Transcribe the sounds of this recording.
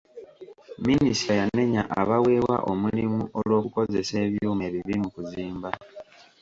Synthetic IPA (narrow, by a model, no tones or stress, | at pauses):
minisajane̞ɲaʔaβawe̞ːwa̰ʔo̞mulimuʔo̞lwo̞ːkuko̞ze̞se̞ːβjuːme̞βiβimukuziːmba